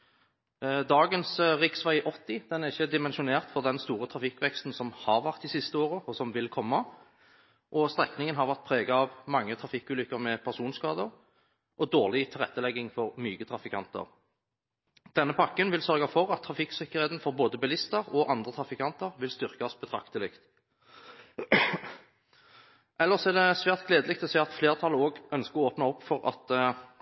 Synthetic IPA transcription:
d̪ɑːɡənsʁɪksʋæɪʔɔt̪ːɪd̪̥ɛnæʁɪçːəd̪ɪmɛnʃʊneːʁt̪fɔʁd̪ɛnst̪uːɾət̪ʰʁɑfɪkːʋɛkst̪n̩sɔmhɑʁʋæʁt̪d̪ɪsɪst̪əoːʁəɔsɔmʋɪlkʰɔmːɑ | ʔɔst̪ʁɛknɪŋənɦɑʁʋæʁt̪̚pʰɾeːɡɑɑʋmɑŋːət̪ʰɾɑfɪkːʉːlʏkːəʁmɛpʰæʁsuːnskɑːd̪əɾ | ʔɔd̪oːʁlɪt̪ʰɪlʁɛ̰t̪ːəlɛɡːɪŋfɔʁmyːɡət̪ʰʁɑfɪkʰɑ̰nt̪ə̰ʁ | d̪̥ɛnːəpʰɑkːənʋɪlsœʁɡɑfɔʁɑt̪ʰːʁɑfɪksɪkːəʁheːt̪n̩fɔʁboːd̪əbɛlɪst̪əʁɔʔɑnd̪ʁət̪ʰɾɑfɪkʰɑnt̪əʁʋɪlst̪ʏʁkɑsb̥ət̪ʰɾɑ̰kt̪əlɪkt̪ | ʔɛlːəʁsɔæʁd̪ɛsʋæːʁt̪̚ɡleːd̪əlɪk̚t̪ɔsɛːɑt̪fleːʁt̪ʰɑlːəoːɡœnskəɔoːpnɑɔpːfɔʁɑ̰t̪

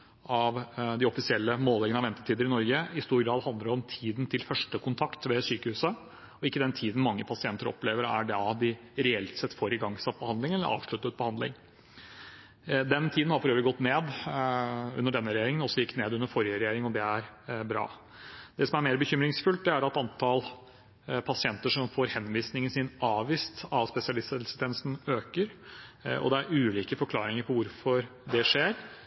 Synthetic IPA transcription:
ɑʋd̪ɪɔfɪsɪɛlːəmoːlɛɡənɑʋɛnt̪ət̪ʰiːd̪əɾɪnɔɾɡəɪst̪uːɾɡɾɑːd̪hɑnd̪ləɾɔmt̪ʰiːd̪n̩t̪ʰɪlfœʂʈəkʰʊnt̪ʰɑkt̪ʋɛsyːkəhʉːsə | ɔɪkːəd̪ɛnt̪ʰiːd̪n̩mɑŋːəpʰɑsɪɛnt̪əɾɔ̰pleːʋəɾæ̰ɖɛɑd̪ɪɾɛɛlt̪sɛt̪ːfoːɾɪɡɑŋːsɑt̪̚ːbəhɑnd̪lɪŋɛlːə̰ɾʔɑ̰ːʋʂɭʉt̪ːət̪̚bəhɑnd̪lɪ̰ŋ | d̪ɛnt̪ʰiːd̪n̩hɑɾfɔɾøːʋəlɪɡɔt̪ːneːd̪ | ʉ̰nːəɖɛnːəɾɛjeːɾɪŋənɔsːɔjɪkt̪neːd̪ʉnːəɾfɔɾjəɾɛjeːɾɪŋɔd̪ɛæɾbɾɑ̰ː | d̪̥ɛsɔmæɾmeːɾbəçʏmɾɪŋsfʉlt̪̚d̪ɛæɾɑt̪ɑnt̪ʰɑl | pʰɑsɪɛnt̪əʂɔmfoːɾhɛnːʋiːsnɪŋənsɪnɑːʋʋiːst̪ɑʋspɛsɪɑlɪst̪ɛst̪ʰɛːnəsn̩øːkəɾ | ɔ̰d̪ɛæɾʉːliːkəfɔɾklɑːɾɪŋəɾpʰɔʋʊɾfɔɾd̪ɛʂeːɾ

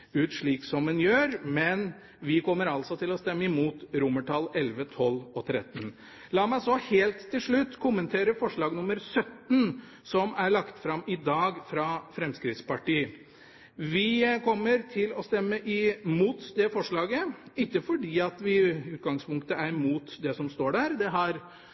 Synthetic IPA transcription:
ʉːt̪ʂɭiːksɔmɛnjøːɾmɛn | ʋɪkʰɔmːəɾɑlsɔt̪ʰɪlɔst̪ɛmːəɪmuːt̪ɾʊmːəʈʰɑlːɛlʋət̪ʰɔlɔt̪ʰɾɛ̰t̪ːn | lɑːmæɪsɔheːlt̪ʰːɪlʂɭʉt̪ːkʰʊmːənt̪ʰeːɾəfɔʂɭɑːɡnʊmːəɾsœt̪n | sɔmæɭɑkt̪fɾɑmɪd̪ɑːɡfɾɑfɾɛmskɾɪt̪spɑʈiː | ʋɪkʰɔmːəɾt̪ʰɪlɔst̪ɛmːəʔɪmuːt̪d̪ɛfɔʂɭɑːɡəɪkːəfɔɖiːɑt̪ʋɪʉːt̪ɡɑŋspʊŋk̚t̪əæɾmuːt̪d̪ɛsɔmst̪oːɖæɾd̪ɛɦɑɾ

